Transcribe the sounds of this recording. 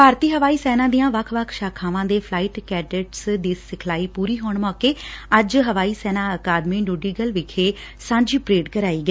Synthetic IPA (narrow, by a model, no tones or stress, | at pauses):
paːɾt̪iːɦəʋaːiːsɛːnãːd̪ijãːʋəkʰʋəkʰʃaːkʰãːʋãːd̪eːpʰlaːiːʈkɛːɖəʈsd̪iːsɪkʰlaːiːpuːɾiːɦoːɳmɔːkeːəd͡ʒɦəʋaːiːsɛːnãːəkaːd̪mĩːnuːɖiːɡəlʋɪkʰeː | sãːɲd͡ʒiːpɾeːɖkəɾaːiːɡɛː